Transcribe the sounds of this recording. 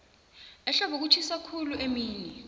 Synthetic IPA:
ɛɬɔbʱuk̬ut͡ʃʰisakʰuluʔemiːɲɛ

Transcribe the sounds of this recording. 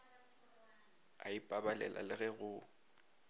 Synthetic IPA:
a̰ipʼabalɛ̰lʔa̰lɪɣɛɣʊ

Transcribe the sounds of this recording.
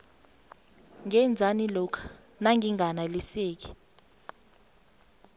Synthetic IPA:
ŋɛnd͡zʱanilɔkʰḁ | naŋɡʱiŋɡʱanaliseːk̬i̥

